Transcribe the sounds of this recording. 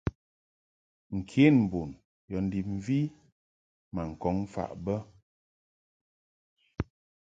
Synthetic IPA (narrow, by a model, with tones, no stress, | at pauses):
ŋ̩˨kʰe˨˦nm̩˨bo˨n | jɔ˨n̩˦di˨m̩˨˦vi˦ | ma˨ŋ̩˨kɔ˨˦ŋ˦fa̰˦˨ʔbə˦